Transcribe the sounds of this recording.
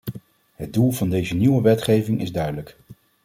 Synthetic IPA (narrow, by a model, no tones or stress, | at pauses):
ɦəd̚dulˠvɑndejzəniwəʋɛtχejvɪŋʔɪzdœɥdələk